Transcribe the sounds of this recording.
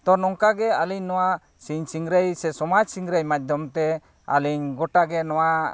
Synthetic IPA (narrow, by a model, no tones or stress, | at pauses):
t̪ɔnɔŋkaɡɛaliɲnɔwa | siɲsiŋɡɾəjsɛsɔmad͡ʒsiŋɡɾəjmad̪ʱɔmt̪ɛ | a̰liɲɡɔʈaɡɛnɔwa